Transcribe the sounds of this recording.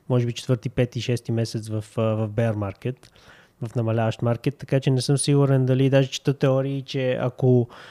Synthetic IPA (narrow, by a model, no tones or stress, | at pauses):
mɔʒɛbit͡ʃɛ̥t̪vɤɾt̪ipɛt̪iʃɛst̪imɛsɛt̪svɐfvɐvbɛəɾmaɾkɛt̪ | vɐfnɐmɐlʲavəʃt̪maɾkɛt̪ːɐkat͡ʃɛnɛsɤmsiɡuɾɛnd̪ɐlid̪aʒɛt͡ʃi̥t̪ɤt̪ːɛɔɾiːt͡ʃɛa̰ko